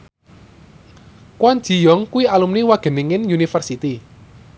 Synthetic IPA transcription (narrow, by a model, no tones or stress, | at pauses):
kwan̥ʒ̥i̤jɔŋkuwialumniwaɡ̥ə̤niŋɪnjunifərsit̪i